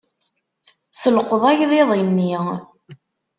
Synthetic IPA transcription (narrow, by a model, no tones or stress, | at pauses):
səlqəðˤajðˤeðˤinːi